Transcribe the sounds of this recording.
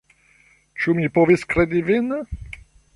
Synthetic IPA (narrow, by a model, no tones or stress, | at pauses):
t͡ʃumipoviskɾed̪ivin